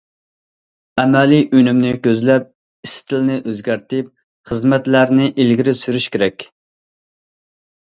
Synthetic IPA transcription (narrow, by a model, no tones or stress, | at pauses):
ɛmɛliʔynymnɪkʲøzlɛp̚ | ist̪ʰɪlnɪʔøzɡʲæɾt̪ɪp̚ | χəzmɛt̪læɾnɪʔilɡʲiɾɪsyɾyʃkʲeɾɛkʲ